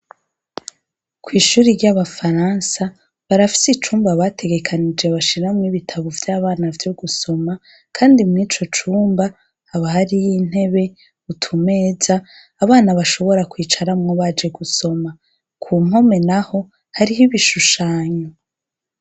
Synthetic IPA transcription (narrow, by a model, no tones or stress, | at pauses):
kwiːʃuːɾiɾɟaβafaɾansa | βaɾafi̥sit͡ʃuːmbaβatʰe̞ɡe̞kʰanid͡ʒeβaʃiɾamŋiβitʰaβovjaːβaːnavjoɡuso̞ma | kʰaːndimŋiːt͡ʃo̞t͡ʃuːmba | haβaɦaɾijin̥he̞βe̞ | utʰume̞ːzaː | βaːnaβaʃo̞βo̞ɾakwiːt͡ʃaɾamŋoβaːd͡ʒe̞ɡuso̞ma | kʰuːm̥ɦo̞me̞naho̞ | haɾiɦiβiʃuʃaːɲo